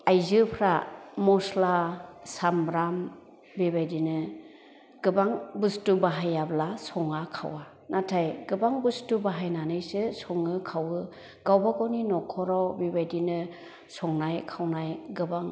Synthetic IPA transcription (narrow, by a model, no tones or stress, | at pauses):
ajzɯpʰɾamɔslasamɾam | bebajdinɯ | ɡ̥ɯbaŋbɯstubaɦajablasɔŋakʰa̰wa | natʰajɡɯbaŋbɯstubaɦajnanɯjsɯsɔŋɯkʰawɯ | ɡ̥awbaɡɔninɔkʰɔɾawbebajdinɯ | sɔŋnajkʰawnajɡɯbaŋ